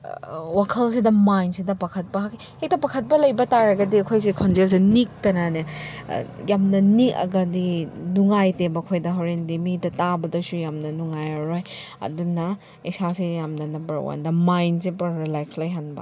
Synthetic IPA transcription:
wakʰɐlsidɐmajnsidɐpakʰɐt̚pɐɦaki | hek̚tɐpakʰɐt̚pɐlɐjbɐtaɾɐɡɐdiɐkʰojsikʰonzels̬enik̚tɐnɐnḛ | jamnɐnikɐ̰ɡɐdinuŋajtebɐkʰojdɐɦoɾendimidɐtabɐdɐsujamnɐnuŋajɐɾoj | ɐ̰dunɐ | isasejamnɐnɐbɐ̰ɾwa̰ndɐmajnsepɐɾɾilajkslɐjɦanbɐ̰

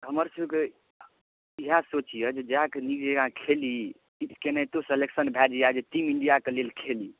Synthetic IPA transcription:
ɦəməɾsəbke | iɦasot͡ʃijəd͡ʒed͡ʒkenikd͡ʒeɡãkʰeli | it̪ʰkenait̪oseleksənbʱɛd͡ʒijad͡ʒeʈimiɳɖijakelelkʰeli

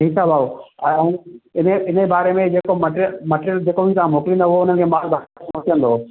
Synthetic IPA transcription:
isabʱaːoɛ̃ɐũːɪneɪnebaːɾemẽd͡ʑeːkomɐʈɾəmeʈeɾjəld͡ʑeːkobʱit̪aãmoːkɪlĩːnd̪oʊɦoʊn̤ən̆kʰeːmaːlbʱɐɾaẽmoːʈijə̃n̆d̪oː

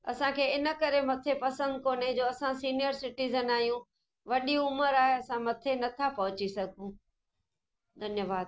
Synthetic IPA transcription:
ɐ̰sãkʰeːɪnə̆kɐɾemɐt̪ʰepɐsə̃nd̪̚koːned͡ʑoːɐsãsiːnɪjəɾsɪʈiːzənaːijũ | ʋɐɗiʊməɾaːɦeɐsãmɐt̪ʰenɐt̪ʰapɐɦʊt͡ɕisɐɡʱũ | d̪ʱɐnjəʋaːd̪

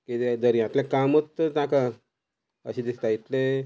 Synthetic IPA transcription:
kid̪d̪əɾjãt̪ljãkamət̪ːəɾt̪ãka | ə̰ɕid̪ist̪ait̪le

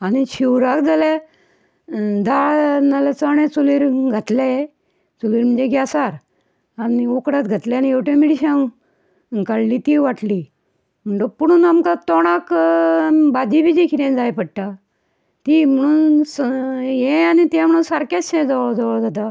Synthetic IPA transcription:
aniɕiwɾakd͡zala | d̪aɭnalat͡səɳ̃ẽt͡suliɾɡʱat̪laje | t͡suliːɾm̤əd͡ʑeɡʱjasaɾ | aniokɽat̪̚ɡʱat̪ljaaniewʈẽmiɽiɕãw | kaɽlit̪iʋaʈli | m̤əɳʈopəɽ̃uːnamkat̪ɔɽ̃ak | bad̪ibid͡ʑikʰit̪ẽnd͡zajpəɽʈa | t̪im̤əɽ̃uːnsjẽanit̪ãm̤əɽ̃uːnsaɾkasɕẽd͡zəʋəɭd͡zəʋəɭd͡zat̪a

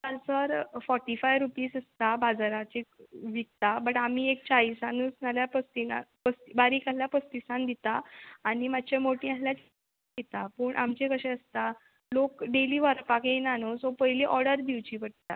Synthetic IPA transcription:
kalsəɾfɔɾʈifajʋɾupiːsəst̪abad͡zaɾat͡ɕeʋikt̪abəʈam̤iːek̚t͡ɕaisanuːsnaljapəst̪ina̰pəst̪ibaɾiːkaljapəst̪isãnd̪it̪aːɽ̃imat͡ɕemoʈiãnljat͡ɕ | d̪it̪apəːɳʔa̰mt͡ɕekəɕɛ̃əst̪a | lokɖeliːʋaɾpakenanosɔpəɦjliʔɔɾɽəɾd̪iʋt͡ɕipəʈ̚t̪a̰

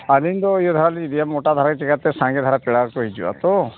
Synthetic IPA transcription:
alind̪ɔijɔd̪ʱaɾaliid̪ijamoʈad̪ʱaɾaket͡ʃɛkat̪ːɛsãŋɡed̪ʱaɾapiɽakɔɦid͡ʒua̰t̪ɔ

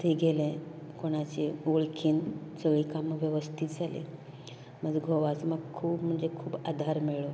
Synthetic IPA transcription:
t̪iɡʱelẽkoɽ̃at͡ɕeoɭkʰiːnsəɡɭiːkamʋjəʋəst̪ʰit̪d͡zʱalḭ | m̤əd͡zeɡʱoʋasməɡkʰuːbm̤əɳd͡zekʰuːbad̪ʱaɾmeɭo

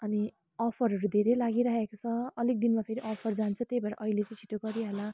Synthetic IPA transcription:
ʌni | ʌpʰʌɾɦʌɾud̪ʱeɾelaɡiɾaɦekot͡sʰʌʌlik̚d̪inmapʰeɾiʔʌpʰʌrd͡zant͡sʰut̪ejbaɾa̰ʔʌɦilet͡sãj̃t͡sʰi̥ʈoɡʌɾjiɦola

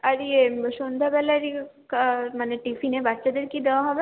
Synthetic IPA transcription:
aɾieʃond̪ʱabɛlaɾi | kamaneʈifinebaʈːʃad̪eɾkid̪ewaɦɔbe

